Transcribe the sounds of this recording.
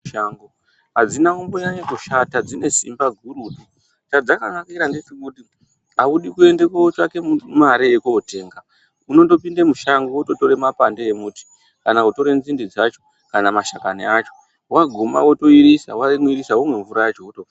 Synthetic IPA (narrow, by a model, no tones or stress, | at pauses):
ʃaŋɡo | ɦad͡zinaumbojaɲekuʃatad͡zine̞sḭmbaɡʱuruːpi | t͡ʃad͡zakanakiɾandet͡ʃekuti | auɗikue̞nde̞kaot͡ʃake̞mumaɾijekuːte̞ːŋɡa | uno̞ndo̞pindemuʃaŋɡooto̞to̞ɾe̞mapandeemuːti̥ | kanauto̞ɾe̞nzindid͡zat͡ʃo̞̥ | kanamaʃakaniat͡ʃo̞̥ | waɡʱoma̰woto̞iɾisawaimwiɾisaumwe̞ɱvuɾajat͡ʃoːto